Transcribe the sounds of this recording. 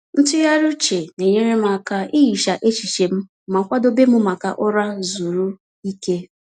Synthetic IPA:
n̩˦tʊ˦ja˦ɾʊ˦t͡ʃe˨ne˨ɲe˦ɾe˦m˦a˨ka˦i˦ji˨ʃa˨ʔe˦t͡ʃi˨ʃe˨m̩˦ | ma˨kʷa˦do˦be˦mʊ˦ma˨ka̰˨ʔʊ˦ɾa˦zu˨ɾu˦ | i˦ke˦

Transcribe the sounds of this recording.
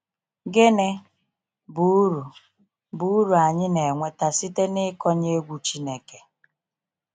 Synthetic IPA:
ɡe˦ne˦ | bu˨u˦ɾu˨ | bu˨˦u˦ɾu˨a˨ɲɪ˦ne˨ŋʷe˦ta˨si˦te˦nɪ˦kɔ˦ɲe˦ɡʷu˦t͡ʃi˦ne˨ke˨

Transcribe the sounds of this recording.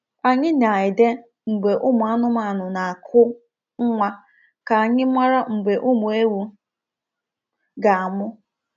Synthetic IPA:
a˨ɲɪ˦na˨ɪ˨de˦ | ŋ͡m̩˨ɡ͡be˨ʔʊ˦mʊ˨a˦nʊ˦ma˨nʊ˨na˨a˨kʰʊ˦ | ŋ̩˦ŋʷa˦ | ka˨a˨ɲɪ˦mʷa˦ɾa˦ŋ͡m̩˨ɡ͡be˨ʔʊ˦mʊ˨e˦wu˦ | ɡa˨a˨mʊ˦

